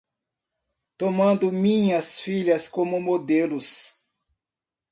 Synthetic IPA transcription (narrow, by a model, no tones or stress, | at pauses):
t̪omɐ̃nd̪ʊmĩɲɐsfiʎɐskõmʊmod̪elʊs